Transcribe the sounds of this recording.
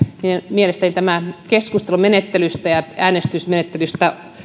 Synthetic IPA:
imielest̪ænit̪æmækeskust̪elumenet̪ːelyst̪æjɑæːnest̪ysmenet̪ːelyst̪æ

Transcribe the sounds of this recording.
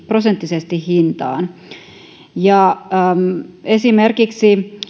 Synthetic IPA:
prosent̪ːisest̪ihhint̪ɑ̰ːn | jɑmesimerkiksi

